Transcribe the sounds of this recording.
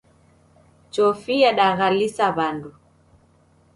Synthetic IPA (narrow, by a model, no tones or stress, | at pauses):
t͡ʃɔfijaɗaɣalisaβandu